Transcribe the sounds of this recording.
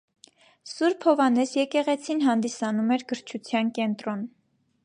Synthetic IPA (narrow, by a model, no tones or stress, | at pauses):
suɾpʰɔvɑnɛsjɛkɛʁɛt͡sʰinɦɑnd̪isɑnumɛɾɡəɾt͡ʃʰut͡sʰjɑnkɛnt̪ɾɔn